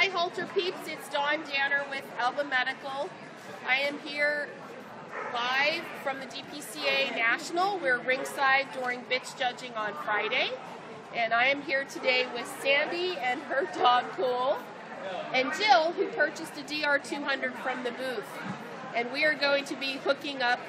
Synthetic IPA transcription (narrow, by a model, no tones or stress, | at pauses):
aɪɦɔlˠtə˞pʰipsɪtsd̥ɔ̃ndãʊ̃nə˞wɪðɛlˠbəmɛɾɨkl̩ˠ | ʔaɪɨ̃mɦiɹ | laɪ̥fɹʌ̃mðɨdipʰisieɪnæʃn̩l̩ˠwɪɹɹɪ̃ŋsaɪdʊɹɪ̃ŋbɪt͡ʃd̥ʒ̥ʌd͡ʒɪ̃ŋə̃nfɹaɪɾeɪ | ʔɨ̃naɪɨ̃mɦiɹtʰɨdeɪwɪð̥sæ̃ndiɨ̃nə˞dɔɡ̚pʰulˠ | ɨ̃nd͡ʒɪlˠhʉpʰɜ˞t͡ʃɨsðɨdiɑɹtʰʉɦʌ̃ndɹɨd̥fɹʌ̃mðɨbʉθ | ʔɨ̃nwiə˞ɡoʊɪ̃ŋtʰɨbihʊkɪ̃ŋʌp̚